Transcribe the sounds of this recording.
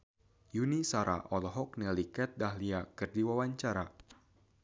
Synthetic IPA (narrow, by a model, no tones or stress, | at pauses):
junisaɾʔa̰ʔɔlɔɦɔk̚nɛlikɛt̪̚daɦliakɨrdiwawaɲt͡ʃaɾa